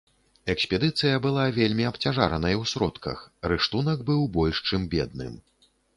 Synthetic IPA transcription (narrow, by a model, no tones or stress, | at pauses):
ɛksʲpʲɛd̪ɨt̪sɨjɐbɨlˠavʲelʲmʲiɐpt͡sʲaʐa̰ɾɐnɐjiwsɾɔt̪kɐ̰xrɨʂt̪unɐkbɨwbɔlʲʂt͡ʂɨmbʲɛd̪̚nɨ̰m